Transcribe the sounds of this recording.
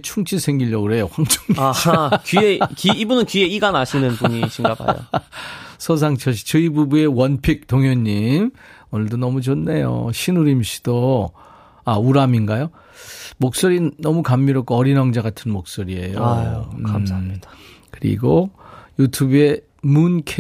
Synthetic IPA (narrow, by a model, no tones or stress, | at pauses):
t͡ɕʰuŋt͡ɕʰisʰeŋɡiʎːʌɡɯɾe̞jokwaŋt͡ɕʰoŋɡiakiekiːbunɯnkie̞iɡanaɕʰinɯnbuɲiɕʰiŋɡakʰa̰jo̰ | sʰos̬ʰaŋt͡ɕʰʌɕ̬ʰi̥t͡ɕɯibubue̞wʌnpʰik̚toŋɦjʌɲːim | onɯɭdonʌmud͡ʑʌnːe̞jo̰ɕʰinuɾimɕʰi̥d̥o | auɾaminɡajo | mok̚s͈oɾinʌmukamːiɾʌk͈oʌɾinʌŋd͡ʑaɡatʰɯnmok̚s͈oɾie̞̰jo | amsaid̥akɯɾḭɡojutʰube̞ | munkʰ